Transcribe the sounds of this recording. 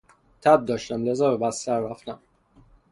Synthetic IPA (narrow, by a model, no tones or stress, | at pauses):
t̪ʰæb̚d̪ɒːʃt̪æmlezɒːbebæst̪æɾːæft̪æm